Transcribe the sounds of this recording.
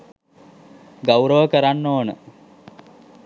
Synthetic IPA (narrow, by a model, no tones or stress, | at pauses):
ɡawɾəʋəkəɾanːoːnə